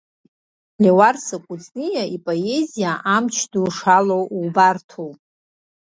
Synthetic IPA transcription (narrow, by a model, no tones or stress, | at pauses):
lewarsakʷʼut͡sʼnijaʔipʼoe̞zijaʔamt͡ʃʰduʂalowwbartʰowpʼ